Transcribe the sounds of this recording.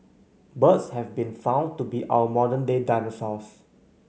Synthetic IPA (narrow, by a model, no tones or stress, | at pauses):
bətshɛvbĩnfãʊ̃ntubiʔa̰wəmɔdə̃ndedaɪnosɔs